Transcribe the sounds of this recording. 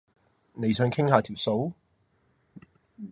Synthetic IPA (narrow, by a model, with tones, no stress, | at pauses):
ne˨˧jsœː˨˥ŋkʰɪ˥ŋhaː˧t̪ʰiː˨˩wso˨˥w